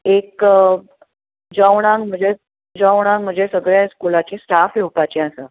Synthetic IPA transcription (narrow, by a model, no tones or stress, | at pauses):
ek | d͡ʑəwɽ̃ãŋɡm̤əd͡ʑe | d͡ʑəwɽ̃ãŋɡm̤əd͡ʑesəɡɭjaskulat͡ɕesʈafjewpat͡ɕeasa